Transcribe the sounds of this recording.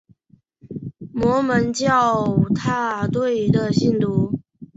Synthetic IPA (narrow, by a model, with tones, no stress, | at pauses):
mwɔ˧˥mə˧˦nt͡ɕjɑ˥˩ʊt̪ʰa˥˧t̪we˥˩ɪd̪ə˨ɕi˥˩nt̪u˧˥